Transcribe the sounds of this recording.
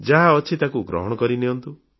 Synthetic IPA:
d͡ʒaɦaɔt͡ʃʰit̪akuɡɾɔ̰ɦɔɽ̃ɔkɔɾiniɔnt̪u

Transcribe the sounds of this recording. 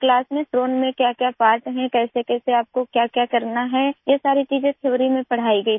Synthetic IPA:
klaːsmẽsʈɾoːnmẽkjaːkjapaːɾʈɦɛ̃kɛːsekɛːseaːp̚kokjaːkjaːkɐɾnaɦɛ̃jɐsaːɾit͡ʃiːzẽk̪ʰɪʋɾimẽpɐɽ̤aːiɡɐi

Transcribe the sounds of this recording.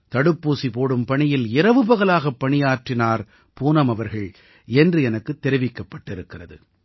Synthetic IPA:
t̪ɐɽɯpːuːsipoːɽɯmpɐɳɪjɪlɪɾɐʋɯbɐɣɐlaːɣɐpːɐɳɪjaːʈrɪnaːɾ | puːnɐmɐʋɐɾɣɐɭ | ɛndrɯɛnɐkːɯt̪ːɛɾɪʋɪkːɐpːɐʈːɪɾɯkːɪrɐðɯ̰

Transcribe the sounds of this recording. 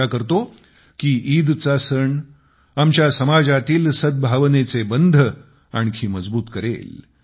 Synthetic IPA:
akəɾt̪o | kiːʔiːd̪t͡sasəɳ | amt͡ɕjasəmad͡zat̪iːlsəd̪̚bʱaʋnet͡sebənd̪ʱə | a̰ɳ̃kʰiːməd͡zbuːt̪kəɾḛːl

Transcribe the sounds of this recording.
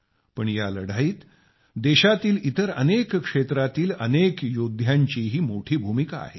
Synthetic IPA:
pəɳjaləɽ̤aiːt̪ | d̪eɕat̪iːlit̪əɾə̰nekkʂet̪ɾat̪iːlənekjod̪ʱjaɲt͡ɕiːɦiːmoʈʰiːbʱumikaa̰ɦe

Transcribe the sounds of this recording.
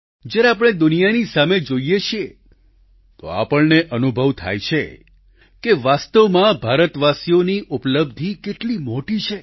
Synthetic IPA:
d͡ʒjaɾeap̬ɽ̃ed̪ʊnijanisamed͡ʒoijeʃie | t̪o̰a̰pəɭneʔənubʱəʋt̪ʰa̰jt͡ʃʰe | keʋast̪əʋmãbʱaɾət̪ʋasijoniʔupləbd̪ʱikeʈlimoʈit͡ʃʰe

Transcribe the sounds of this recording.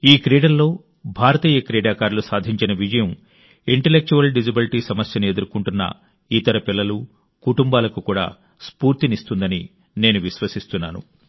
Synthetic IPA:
iːkɾɛːɽɐllo̞ː | bʱaːɾɐt̪iːjɐkɾɛːɖaːkaːɾlusaːd̪ʱiɲt͡ʃinɐʋid͡ʒɐjɐm | iɳʈelek̚t͡ʃuʋɐlɖid͡ʒibiliʈiːsɐmɐsjɐnue̞d̪uɾukuɳʈunːɐ̰ | it̪ɐɾɐpilːɐlu | kuʈumbaːlɐkukuːɽa̰ː | spuːɾt̪inist̪und̪ɐni | ne̞ːnuʋiʃʋɐsist̪unːaːnṵ

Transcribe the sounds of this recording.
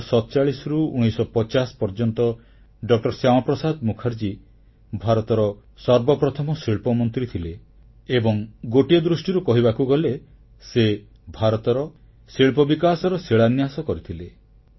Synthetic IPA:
sɔt̪ɔt͡ʃaɭisɾuuɽ̃isɔpɔt͡ʃaspɔɾd͡ʒɔnt̪ɔ | ɖɔk̚ʈɔɾsjamɔpɾɔsad̪mukʰaɾd͡ʒi | bʱaɾɔt̪ɔɾɔsɔɾbɔpɾɔt̪ʰɔmɔsiɭpɔmɔnt̪ɾit̪ʰileː | bɔŋɡoʈiɔd̪ɾusʈiɾukɔɦibakuɡɔle | se | bʱaɾɔt̪ɔɾɔ | siɭpɔbikasɔɾɔsiɭanjasɔkɔɾit̪ʰile

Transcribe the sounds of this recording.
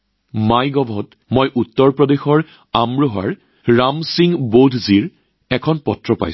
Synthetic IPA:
majɡɔbʱɔt | mojʔutːɔɹpɹɔdexɔɹ | amɹoɦa̰ɹ | ɹamsiŋbodʱziɹ | ɛkʰɔnpɔtɹɔpa̰j

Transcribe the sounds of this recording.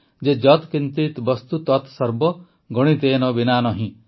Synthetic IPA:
d͡ʒed͡ʒɔt̪kint̪it̪bɔst̪ut̪ɔt̪sɔɾbɔ | ɡɔɽ̃it̪eːnɔbinanɔɦĩ

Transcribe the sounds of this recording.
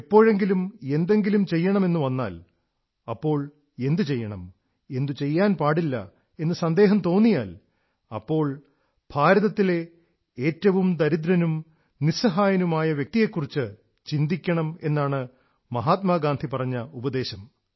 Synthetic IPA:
pːo̞ːɻe̞ŋɡilume̞nd̪e̞ŋɡilumt͡ɕe̞jːɐɳɐme̞nːuʋɐnːa̰ːl | ɐpːo̞ːɭ | e̞nd̪ɨt͡ɕe̞jːɐɳɐm | e̞nd̪ɨt͡ɕe̞jːaːnpaːɽilːɐ̰ | e̞nːɨsɐnd̪e̞ːɦɐmt̪o̞ːnːijaːl | ɐpːo̞ːɭ | b̥ʱaːɾɐðɐt̪ːile̞ | eːtːɐʋumd̪ɐɾid̪ɾɐnum | nisɐɦaːjɐnumaːjɐʋjɐk̚t̪ije̞kːurit͡ɕːɨ | t͡ɕind̪ikʲːɐɳɐme̞nːaːɳɨ | mɐɦaːt̪maɡaːnd̪ʱipɐrɐɲːɐubɐd̪e̞ːɕɐm

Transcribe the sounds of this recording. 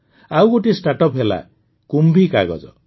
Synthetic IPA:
awɡoʈisʈaʈɔpɦela̰ | kumbʱikaɡɔ̰d͡ʒɔ

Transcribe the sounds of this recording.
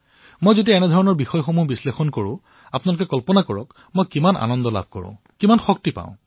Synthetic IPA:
mojzotiɛnɛdʱɔɹɔnɔɹbixɔjxomuɦbislexɔnkoɹʊ̰̃ | apunalʊkɛkɔlpɔnakɔɹɔ̰k | mojkimanʔa̰nɔndɔla̰bʱkɔ̰ɹʊ̰̃ | kimanxɔk̚tipa̰ʊ̃

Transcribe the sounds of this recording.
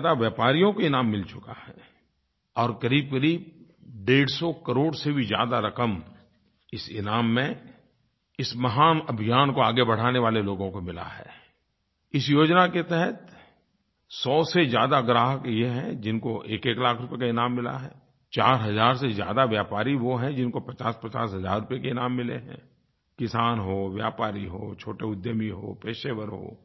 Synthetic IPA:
ad̪aʋjaːpaːɾijõkoɪnãːmːɪlt͡ʃʊka̰hɛː | ɔːɾkɐɾiːb̚kəɾiːb̚ | ɖeːɽsɔkəɾoːɽsebʱizja̰ːd̪aɾɐkəm | ɪsɪ̰naːmːẽ | ɪsmɐɦaːnɐbʱijaːnkoaːɡebɐɽ̤aːneʋaːleloːɡõkomɪla̰ɦɛ̰ː | ɪsjoːd͡ʒnaket̪ɛɦət̪ | sɔːsezjaːd̪aɡɾaːɦəkjeɦɛ̃d͡ʒɪnkoʔeːkeːklaːkʰɾʊpjekaɪnaːmːɪla̰ɦɛː | t͡ʃaːɾɦɐzaːɾsezja̰ːd̪aʋjaːpaːɾiʋoɦɛ̃d͡ʒɪnkopɐt͡ʃaːspɐt͡ʃaːsɦɐza̰ːɾːʊpjekeɪnaːmːɪlḛɦɛ̰̃ː | kɪsaːnɦoːʋjaːpaːɾiɦoːt͡ʃʰoːʈeʊd̪jəmiɦo̰ːpeːʃeːʋəɾɦo̰ː

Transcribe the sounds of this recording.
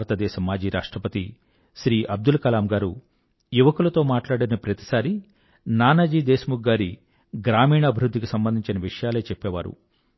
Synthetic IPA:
ɾɐt̪ɐd̪ɛːʃɐmaːd͡ʒiːɾa̰ːʂʈɾɐpɐt̪i | ʃɾiːʔɐb̚d̪ulkɐlaːmɡaːɾu | juʋɐkulɐt̪o̞ːmaːʈlaːɽinɐpɾɐt̪i̥saːɾi | naːnɐd͡ʒiːd̪ɛːsɐmuɡːaːɾi | ɡɾaːmiːɳɐːbʱiɾud̪ʱːikisɐmbɐnd̪iɲt͡ʃinɐʋiʂɐjaːleːt͡ʃɛpːɛːʋa̰ːɾṵ

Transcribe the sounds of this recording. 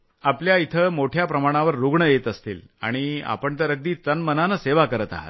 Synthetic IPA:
apljait̪ʰəmoʈʰjapɾəmaɽ̃aʋəɾːuɡɳəjet̪əst̪ḭːl | a̰ɽ̃ia̰pəɳt̪əɾəɡ̚d̪iːt̪ənmənanəseʋakəɾət̪a̰ɦa̰t̪

